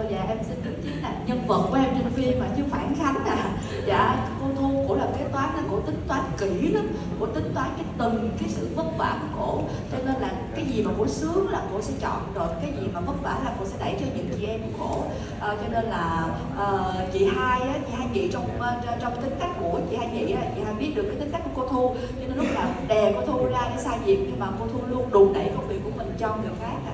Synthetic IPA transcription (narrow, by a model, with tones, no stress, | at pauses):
za̰ː˨˩ʔɛ˧msï˧nɗɨ˨˩ət̪i˨˦nlaː˨˩ɲə˧nvə˨˩t̚kʔɛ˧mt͡ɕï˧ŋ̟fi˧ənmaː˨˩t͡ɕɨ˧˦əfaː˧˩nxa˨˦ŋzaː˨˩ | za̰ː˧˨ko˧˥t̪ʰu˧ko̰˧˩˥laː˨˩˨aː˨˦jt̪waː˨˦nlaː˨˩ko̰˧˩˥t̪ï˨˦ŋ̟t̪waː˨˦nki˧˩na˨˦ | ko̰˧˩˥t̪ï˨˦ŋ̟t̪waː˨˦nkaː˨˦jt̪ɨ˨˩ŋkaː˨˦jsɨ̰˧˨və˦˥t̚va̰ː˧˩ku˧˩əko̰˧˩˥ | t͡ɕɔ˧ne˧nlaː˨˩kaː˨˦jzi˨˩maː˨˩ko̰˧˩sɨ˨˦˥əŋlaː˨˩ko̰˧˥sɛ̰˧˥t͡ɕɔ̰˧˨nɗə˨˩k̚kaː˨˦jzi˨˩maː˨˩və˦˥t̚va̰ː˧˩˥laː˨˩ko̰˧˥sɛ̰˧˥ɗə˧˩jt͡ɕɔ˧ɲɨ˨˩nt͡ɕḭ˧˩ʔɛ˧mku˧˩ko̰˧˩˨ | ʔə˨˩t͡ɕɔ˧ne˧nlaː˨˩ | ʔəː˨˩t͡ɕḭ˧˨haː˧jʔaː˨˦t͡ɕʰi˧˩ɦaː˧jŋḭ˧˨t͡ɕɔ˧wŋ͡mt͡ɕɔ˧wŋ͡mt̪ï˨˦ŋ̟ka˦˥k̟̚ko̰˧˩˥t͡ɕḭ˧˨haː˧jŋḭ˧˨ʔaː˨˩t͡ɕḭ˧˨haː˧jɓi˦˥ət̚ɗɨ˨˩kːjt̪k̟kːko˧˦t̪ʰu˧ | t͡ɕɔ˧ne˧nlʊ˦˥k̚laː˨˩˨ɗe˨˩ko̰˧˥t̪ʰu˧laː˧ɗe˧˦saː˧zḭ˨˩əp̚ɲɨ˧ŋmaː˨˩ko˧t̪ʰu˧lu˧ənɗu˧˨˩ŋ͡mɗə̰˧˩jkŋ͡mvi˨˩əkːu˧˩˥əmï˨˩ŋ̟t͡ɕŋɨ˨˩əwxaː˦˥k̚